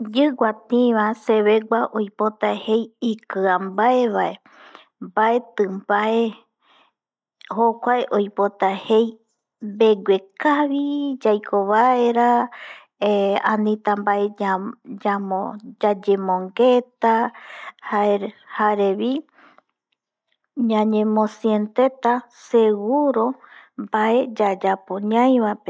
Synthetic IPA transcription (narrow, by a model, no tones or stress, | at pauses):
d͡ʒɨɡʷat̪ĩβase̞βe̞ɡʷaʔojpo̞t̪ahe̞jikɨambaeβae | mbae̞t̪ɨmbae | hokʷaeʔojpo̞t̪ahe̞j | mbe̞ɡʷekaβid͡ʒajkʰoβaeɾa | ãnĩt̪ambaed͡ʒamod͡ʒad͡ʒemõŋɡet̪ahaeɾhaeɾeβi | ɲãɲẽmõsient̪e̞t̪aseɡuɾo̞mbaʔe̞d͡ʒad͡ʒapoɲãj̃βape